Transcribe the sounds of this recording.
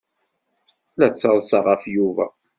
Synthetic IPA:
læt͡sːəlˤsɑʁəfjuvæ̰

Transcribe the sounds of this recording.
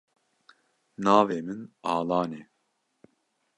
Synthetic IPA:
nɑːveːmɨnɑːlɑːnɛː

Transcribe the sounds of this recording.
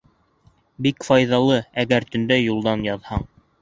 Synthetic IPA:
bikfɑjðɑlˠɤæɡæɾt̪ɵ̆nd̪æjulˠd̪ɑnjɑðhɑɴ

